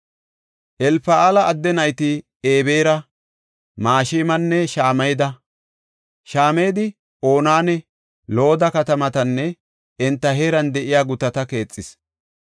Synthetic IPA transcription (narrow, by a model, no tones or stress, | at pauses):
ʔɛlfɐaːlɐʔːd̪ːɛnɐjt̪ɪ | eːbeːɾɐ | maːʃɪːmɐnːɛʃaːmɐjd̪ɐ | ʃaːmejd̪ɪ | o̞ːnaːnɛ | lo̞ːd̪ɐkɐt̪ɐmɐt̪ɐnːɛ | ɛnt̪ːɐɦeːɾɐnd̪ɛʔɪjaːɡʊt̪ɐt̪ɐke̞ːt͡sʼːɪs